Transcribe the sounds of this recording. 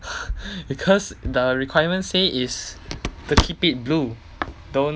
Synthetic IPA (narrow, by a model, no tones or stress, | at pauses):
bikʰɔsdəɹikʰwajəmə̃nseistəkʰipit̚blu | dõn